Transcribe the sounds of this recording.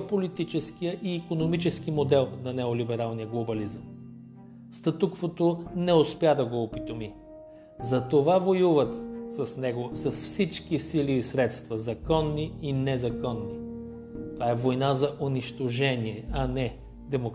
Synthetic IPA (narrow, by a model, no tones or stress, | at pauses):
polit̪it͡ʃɛskijəʔiːkonomit͡ʃɛskimod̪ɛlˠnɐnɛolibɛɾalˠnijəɡlˠobɐlizəm | st̪ɐt̪ukvot̪onɛospʲjad̪ɐɡoːpit̪omi | zɐt̪ovavojuvət̪sɐsnɛɡosɐsfsit͡ʃkisiliːsɾɛt̪st̪vɐzɐkɔnːiːnɛzɐkɔnːi | t̪ovaɛvojnazɐʔʊniʃt̪oʒɛniɛɐnɛ | d̪ɛmok